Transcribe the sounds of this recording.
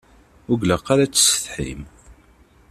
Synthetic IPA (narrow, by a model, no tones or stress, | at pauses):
ʊɡləqːaɾat͡sːə̥sə̥θħḭm